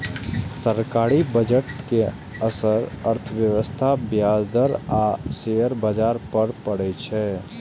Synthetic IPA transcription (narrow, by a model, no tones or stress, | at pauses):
səɾkaːɾibəd͡ʒəʈke | əsəɾəɾt̪ʰəʋjəʋəst̪ʰabjaːzd̪əɾaseːəɾbad͡ʒaːɾpəɾpəɽɛt͡ʃʰɛː